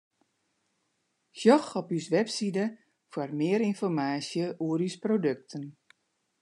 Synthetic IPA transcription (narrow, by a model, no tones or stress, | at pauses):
xjɔxɔpysʋɛpsidə | fwarmɪəɾinfɔrmaːsjəʔuəɾysprodøk̚tʰən